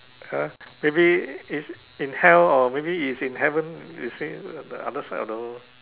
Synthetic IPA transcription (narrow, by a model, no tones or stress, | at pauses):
amebiis | ĩnhɛlɔmebiisĩnɦɛvə̃njṵsidə̰a̰dəsaɔ̰fdo